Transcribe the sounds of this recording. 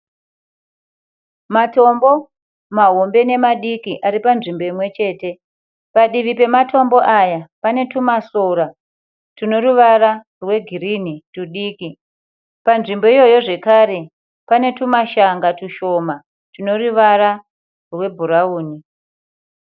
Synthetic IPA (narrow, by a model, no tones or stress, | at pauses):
mato̞mbo̞ | maɦombe̞ne̞maɗikiʔaɾipanʐimbo̞imwe̞t͡ʃe̞ːte̞ | paɗiʋipe̞matʰo̞mbo̞ʔajapane̞tumasoɾa | tuno̞ɾuʋara | rwe̞ɡʱiɾinituɗiːki | panʐimbo̞ijo̞jo̞ʐe̞kaɾe̞ | pane̞tumaʃaŋɡatuʃo̞ma | tuno̞ruʋaɾa | rwe̞bʱuɾauːni